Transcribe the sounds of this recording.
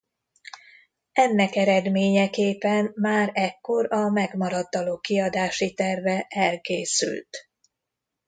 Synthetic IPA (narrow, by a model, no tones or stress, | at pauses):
ɛnːɛkɛɾɛd̪meːɲɛkeːpɛnmaːɾɛkːo̞ɾɒmɛɡmɒɾɒt̪ːɒloːkiɒd̪aːʃit̪ɛrvɛʔɛlkeːsy̰lt̪